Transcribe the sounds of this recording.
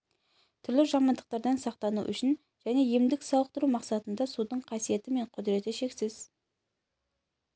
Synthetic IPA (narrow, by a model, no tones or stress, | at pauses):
t̪ʰʏɾlɪʒɑmɑnd̪əq̚t̪ɑɾd̪ɑnsɑq̚t̪ɑnṵʔʏ̰ʃɪn | ʒ̥æne̞jemd̪ɪksɑlˠəq̚t̪əɾumɑqsɑt̪ənd̪ɑsud̪əɴqʰɑsije̞t̪ɪme̞ɴqʰʊd̪ɾe̞t̪ɪʃe̞ksɪz̥